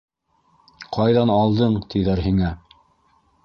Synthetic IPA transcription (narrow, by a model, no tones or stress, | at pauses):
qʰɑjðɑnɑlˠd̪ɤɴt̪iðæɾɦiŋæ